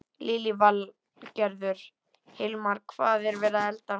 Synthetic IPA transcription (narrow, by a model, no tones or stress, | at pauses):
liːlival | cɛɾðʏɾ̥ | hɪlmaɾ̥kʰvaːðɛɾvɛːɾaɛlt̪a